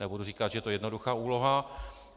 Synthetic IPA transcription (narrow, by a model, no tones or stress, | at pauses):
ɛbuduriːkat̪ʒɛjɛt̪ojɛdnoduxaːuːloɦa